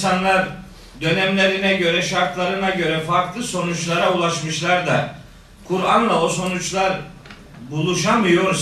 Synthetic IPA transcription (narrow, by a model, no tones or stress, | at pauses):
sanlˠaɾ | d̪ø̞nɛmlʲe̞ɾinɛɟø̞ɾɛʃaɾt̪lˠaɾɯnaɟø̞ɾɛfaɾklˠɯso̞nut͡ʃlˠaɾaulˠaʃmɯʃlˠaɾd̪a | kʰuɾanlˠaoso̞nut͡ʃlˠaɾ | bulˠuʃamɯjo̞ɾs